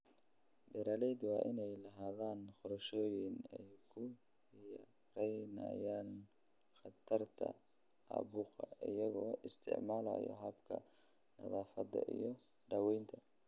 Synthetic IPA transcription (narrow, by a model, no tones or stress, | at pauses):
bɛɾaːlɛjd̪wɑːʔɪnɛjlɐɦaːðaːnχʊɾɐʃɔːjɪnɛjkʰʊ | j | rɛjnɐ̰jaːn | χɑt̪ʰɐrt̪ʰɐ̰ | ɑ̰ːβuːqɑʔɪjɐɣɔːʔɪst̪ʰɪ̰ʕmaːlɐ̰jɔ̰ɦɐbkʰɐ̰ | nɐ̰ðaːfɐd̪ɐ̰ʔijɞ | ɖɐwɛjnt̪ʰɐ